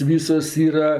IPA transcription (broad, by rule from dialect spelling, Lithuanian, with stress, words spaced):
ˈʋʲiːsoːs ˈiːrɐ